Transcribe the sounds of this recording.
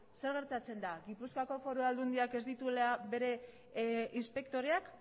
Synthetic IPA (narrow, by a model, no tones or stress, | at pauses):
se̞ɾɣ̞e̞ɾt̪at͡se̞nd̪aɣipuskako̞fo̞ɾoald̪und̪iake̞zd̪it̪uleaβe̞ɾe̞ | ʔinspe̞kt̪o̞ɾeak